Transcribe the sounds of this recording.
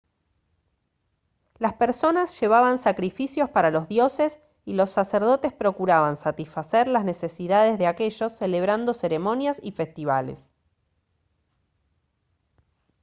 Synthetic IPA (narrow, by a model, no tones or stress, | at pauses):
laspe̞ɾso̞nasʒ̥e̞β̞aβansakɾifisjo̞spaɾalo̞zðjo̞ses | ilo̞sːaseɾð̞o̞t̪espɾo̞kuɾaβansat̪isfaseɾlazne̞se̞siðað̞e̞zðeake̞ʒo̞sːele̞β̞ɾand̪o̞se̞ɾe̞mo̞njasife̞st̪iβalḛs